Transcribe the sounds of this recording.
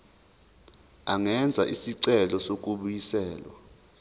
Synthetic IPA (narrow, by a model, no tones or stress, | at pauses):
aŋɛnd͡zʱaʔisiǀɛlɔsok̬ʼuɓujisɛːlwa̰